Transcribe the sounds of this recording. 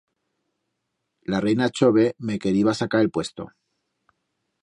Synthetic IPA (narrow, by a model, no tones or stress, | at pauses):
larejnat͡ʃo̞β̞e̞me̞ke̞ɾiβasakaɾe̞lpwe̞st̪o̞̰